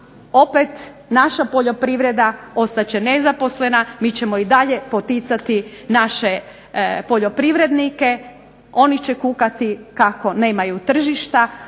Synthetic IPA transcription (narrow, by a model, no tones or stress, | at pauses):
o̞pet̪ | naʃapo̞ʎo̞pɾiʋɾe̞d̪ao̞st̪at͡ɕenezapo̞sle̞namit͡ɕe̞mo̞id̪aʎe̞pot̪it̪sat̪inaʃe | po̞ʎo̞pɾiʋɾe̞d̪nike | o̞nit͡ɕekukat̪ikako̞ne̞ːmajut̪r̩ʒiʃt̪a